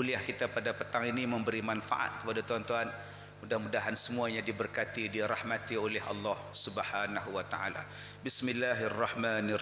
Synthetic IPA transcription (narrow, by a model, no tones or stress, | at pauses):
uliahkit̪apadapət̪aŋiniməmbəɾimanfa̰ʔa̰t̪̚kə̥padat̪uant̪uɦan | mudahmudaɦansəmuaɲadibərkat̪idiɾɑhmat̪iolɛɦɑ̰lːɑhsubhanaɦuwat̪a̰a̰la̰ | bismɪlːaɦrːɑhmaːn